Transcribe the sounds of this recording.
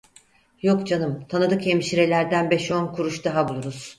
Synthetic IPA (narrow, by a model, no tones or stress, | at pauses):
jo̞kd͡ʒanɯmt̪ʰanɯd̪ɯkemʃiɾe̞lʲæɾd̪ænbɛʃo̞nkʰuɾuʃd̪aɦabulˠuɾuz̥